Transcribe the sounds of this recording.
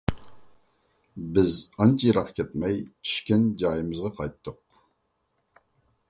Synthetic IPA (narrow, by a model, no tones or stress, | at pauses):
bɪzɑnt͡ʃʰijɾɑqkʲʰɛt̪mɛjt͡ʃʰy̥ʃkʲɛnd͡ʒɑːjɨmɨzʁɑqʰɑjt̪ːʊq